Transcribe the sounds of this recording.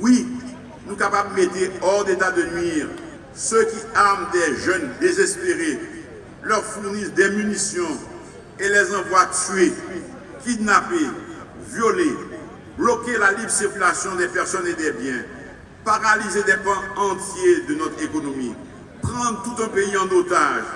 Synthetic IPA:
wi | nũkapabmet̪eɔʁd̪et̪ad̪ənɥiʁ | søkʲiaʁmd̪ɛʒœnd̪ezɛspeʁe | lœʁfuʁnisd̪ɛmynisjɔ̃ | elɛzɑ̃vwat̪ɥe | kʲid̪nape | vjole | blɔkelalibsiʁkʲylasjɔ̃d̪ɛpɛʁsɔned̪ɛbjɛ̃ | paʁalized̪ɛpɑ̃ɑ̃t̪jed̪ənɔt̪χekonomi | pχɑ̃d̪ʁt̪ut̪ɛ̃peiɑ̃not̪aʒ

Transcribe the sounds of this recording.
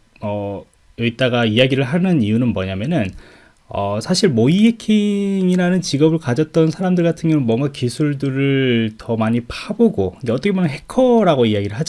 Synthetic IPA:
ʌ | ɯit͈aɡaijaɡiɾɯɭɦanɯniunɯnmwʌɲamjʌnɯn | ʌsʰaɕʰiɭmoiekʰiŋiɾanɯnt͡ɕiɡʌbɯɭkad͡ʑʌt̚t͈ʌnsʰaɾamdɯɭɡatʰɯnŋɡjʌŋɯnmwʌŋɡakisʰuɭdɯɾɯɭtʌmaɲipʰaboɡoiɡeʌt͈ʌkʰemonnɦe̞kʰʌɾaɡoijaɡiɾɯɭɦad͡ʑ

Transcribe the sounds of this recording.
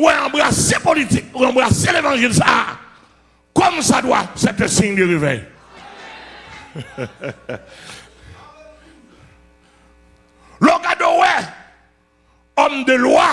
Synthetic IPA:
wɛ̃ãbʁasepolitikãbʁaselevɑ̃ʒilsaa̰ | kɔmsadwa̰sɛp̚t̪ɛsĩŋdeʁivɛ̰j | lɔkadowɛ | ɔmd̪əlwa

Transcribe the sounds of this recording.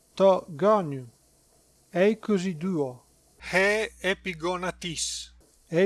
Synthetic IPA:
t̪ɔɡɔnu | ɛjkozid̪uo | hɛːepiɡɔnat̪is | ɛ

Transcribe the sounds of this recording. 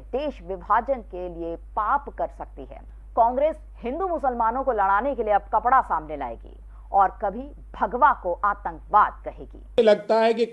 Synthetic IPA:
d̪eːʃʋɪbʱaːd͡ʒənkeliepaːpkɐɾsɐk̚t̪iɦɛ̰ː | kɔ̃ːŋɡɾeːs | hɪ̃nd̪umʊsəlmaːnõkolɐɽ̃aːnekelieɐb̚kɐpɽasaːmnela̰ːḛːɡḭː | ɔːɾkɐbʱi | bʱɐɡʋakoʔaːt̪ə̃ŋkʋaːd̪kɐɦḛːɡḭːlɐɡ̚t̪aɦɛki

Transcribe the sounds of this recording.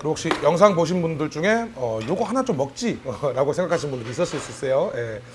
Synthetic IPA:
kɯɾɦok̚ɕ͈ijʌŋs̬ʰaŋboɕ̬ʰinbundɯɭt͡ɕuŋe̞ʌjoɡoɦanat͡ɕomːʌk̚t͡ɕ͈iʌɾaɡosʰeŋɡakʰaɕʰinbundɯɾis͈ʌs͈uis͈uis͈ejoje̞

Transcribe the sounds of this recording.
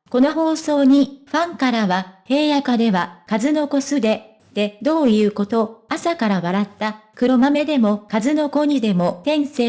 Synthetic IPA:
ko̞no̞ɦo̞ːso̞ːɲ̟iɸãŋkaɾaβahe̞ːjakad̪e̞βakazɨno̞ko̞sɨd̪e̞ | t̪ːe̞d̪o̞ːjɯ̟ːko̞t̪o̞asakaɾaβaɾat̪ːakɯ̟ɾo̞mame̞d̪e̞mo̞kazɨno̞ko̞ɲ̟id̪e̞mo̞t̪ẽ̞ɰ̃seː

